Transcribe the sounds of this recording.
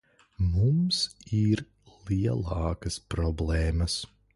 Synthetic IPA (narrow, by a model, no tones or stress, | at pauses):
mumsiɾ | lˠiɛlˠɑːkɐspɾɔblˠɛːmɐs